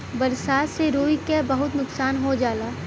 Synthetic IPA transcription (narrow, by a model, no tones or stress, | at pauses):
bɐɾsaːt̪seɾoːikebɐɦʊt̪nʊksaːnɦod͡ʒaːlaː